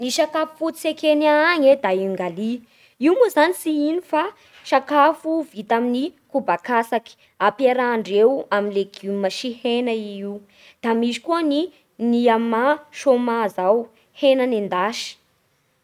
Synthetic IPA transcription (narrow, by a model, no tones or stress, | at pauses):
niʃakafu̥fut͡sekenaŋed̪aiŋɡali | iumuzanisiinifa | ʃakafuvit̪aminikubakasaki̥ | apeɾaːɳɖ͡ʐewaminleɡ̥umaʃihenaiiw | d̪̥amizi̥kuəni | niamaʃomazaw | henanend̪aʃi̥